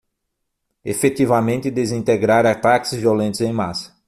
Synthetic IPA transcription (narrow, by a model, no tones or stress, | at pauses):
efet̪ivɐmẽnt̪ɪd̪ezĩnt̪eɡɾaɾat̪akɪ̥zviolẽnt̪ʊzẽj̃masɐ̥